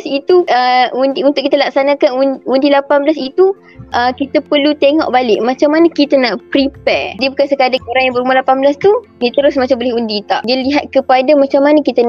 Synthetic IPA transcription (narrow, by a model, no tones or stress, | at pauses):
sit̪uəundiunt̪ʊʔkit̪əlak̚sanãkanunundilapanbəlasit̪u | ʔəkit̪əpəlut̪eŋɔ̰ʔbalɪʔmãt͡ʃamːanakit̪ənaʔpɾipɛrdiəbukansəkadaoɾaŋjãbəɾumalapanbəlast̪udit̪əɾʊsmat͡ʃambolɛɦundit̪aʔdialiɦat̪̚kəpadamãt͡ʃamːanakit̪ən